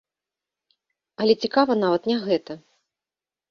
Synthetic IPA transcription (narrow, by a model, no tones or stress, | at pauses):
ɐlʲɛt͡sʲikavɐnavɐt̪nʲaɣɛt̪ɐ